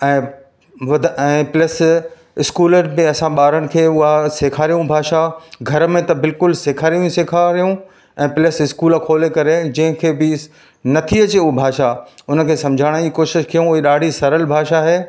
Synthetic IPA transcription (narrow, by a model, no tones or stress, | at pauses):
ɛ̃ː | ʋɐd̪ʱɛ̃ːples | ɪskuːləɾmẽɐsãɓaːɾəñɪ̆kʰeːʊɦaseːkʰaːɾijũbʱaːʃaɡʱɐɾmẽt̪ɐbɪlkʊlseːkʰaːɾijũseːkʰaɾijũ | ɛ̃ːplesɪskuːlkʰoːlekɐɾed͡ʑɐ̃ɦɪ̃kʰeːbɪ | nɐt̪ʰiɐt͡ɕeubʱaːʃaʊnə̆kʰeːsɐ̃md͡ʑʱaːɽ̃iːkoːʃɪʃkʰijũʊɦeɗaːɽ̤ʱisɐɾəlbʱaːʃaɦeː